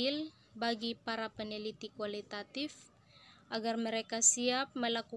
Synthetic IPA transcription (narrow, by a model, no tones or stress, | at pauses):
il | baɡipaɾapənilit̪ikuwalit̪at̪if | ʔaɡarməɾɛkasiap̚məlaku